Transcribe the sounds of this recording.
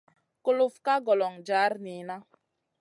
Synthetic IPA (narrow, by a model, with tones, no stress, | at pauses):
kʊ˨lʊ˨fka˦ɡɔ˨lɔ˨ŋd͡ʒa˨˦ɾni˨na˦